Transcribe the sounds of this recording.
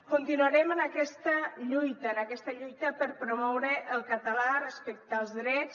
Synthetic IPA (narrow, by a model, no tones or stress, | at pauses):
kunt̪inuəɾɛmənəkɛst̪əʎujt̪əːnəkɛst̪əʎujt̪əpəɾpɾumɔwɾəʔəlˠkət̪əlarəspɛk̚t̪əlˠzðɾɛt͡s